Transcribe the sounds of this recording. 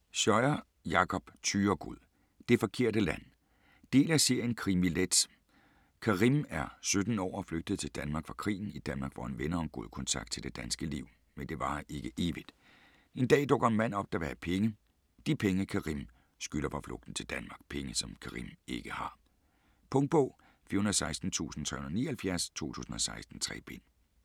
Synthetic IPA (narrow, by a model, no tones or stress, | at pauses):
ɕɒɪɐ | jɑ̈kʰɒ̽b̥t͡sʰyːɐɡ̥uð̰ˠ | d̥e̝fɒ̽kʰe̝ɐ̰d̥əlæn̰ | d̥e̝̰ːlæseɐ̰jənkʰʁimiled̥s | kʰɑ̈ʁimæɐsød̥n̩ɒ̰ːɒfløɡ̥̚d̥əð̞̩ˠt͡sʰe̝ld̥ænmɑ̈ːɡ̥fʁɑ̈kʰʁḭːn̩id̥ænmɑ̈ːɡ̥ʋɒ̰enʋenɐɒ̽mɡ̥o̝ðˠəkʰɔ̽nt͡sʰɑ̈ɡ̥d̥̚t͡sʰe̝ld̥e̝d̥ænsɡ̥əliʊ̰ | mend̥e̝ʋɑ̈e̝ɡ̥əʔe̝ːʋid̥ | e̝nd̥ɛ̰ːd̥ɔ̽ɡ̥ɐenmæn̰ɒ̽b̥̚d̥æʋæɐpʰeŋə | d̥ipʰeŋəkʰɑ̈ʁim | sɡ̥ylɐfɑ̈flɔ̽ɡ̥d̥n̩t͡sʰe̝ld̥ænmɑ̈ːɡ̥pʰeŋəsɒ̽mkʰɑ̈ʁḭme̝ɡ̥əhɑ̈ | pʰɔ̽ŋ̚b̥ɔʊ̰ː | fiɐhunɐðˠsɑ̈ɪsd̥n̩t͡sʰṵːsn̩t͡sʰʁɛ̰hunð̩ˠnḭːɐhælfjæɐst͡sʰo̝̰ːt͡sʰṵːsn̩ɒ̽sɑ̈ɪsd̥n̩t͡sʰʁɛ̰ːb̥e̝n̰